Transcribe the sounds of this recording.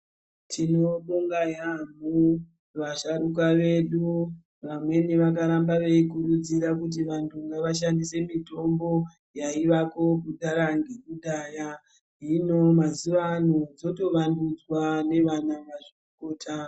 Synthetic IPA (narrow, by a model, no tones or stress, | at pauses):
tʰino̞ɓoŋɡajamu | ʋaʃaɾuk̬aʋe̞ɗu | ʋamwe̞niʋak̬aɾambaʋeikuɾud͡ziɾakut̬iʋantʰuŋɡaʋaʃandise̞mito̞mbo̞ | jaiʋako̞kuɗaɾaŋɡekuɗaːja | ɦino̞mazuʋanod͡zo̞to̞ʋandud͡zwane̞ʋanaʋaʐioko̞ːtʰa